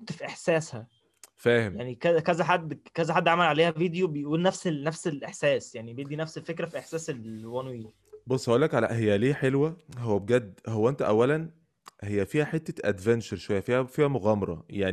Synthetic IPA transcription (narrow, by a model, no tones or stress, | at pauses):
ot̪ːfiʔeħsæːshæ | fæːhemjaʕnikækæzæħad̪ːkæzæħad̪ːʕamælʕaleːhævid̪jobeʔwenːæfselnæfselʔeħsæːsjaʕnibejeʔd̪inæfselfekɾæfiʔeħsæːselwænwiː | bosˤːɑʔelːækʕalæ̰ʔhejːæliːħelwæhowːæbeɡæd̪ːhowːæʔent̪æʔæwːælæn | hejːæfiːhæħet̪ːæʔæ̰d̪vænt͡ʃɑɾʃowæjːæfiːhæfiːhæmoɣæːmɑɾˤɑ̰jaʕni